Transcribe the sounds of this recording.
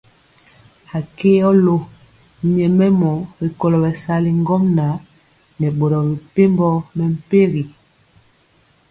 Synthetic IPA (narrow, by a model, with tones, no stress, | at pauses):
a˨ke˦ɔ˦lo˦˨ | ɲɛ˨mɛ˦mɔ˨˦bi˨kɔ˨lɔ˨bɛ˨sa˦li˨ŋ˦ɡɔ˦mna˨˦ | nɛ˨ɓo˨ɾɔ˨bi˨pe˦mbɔ˦mɛ˨m̩˨pe˦ɣi˨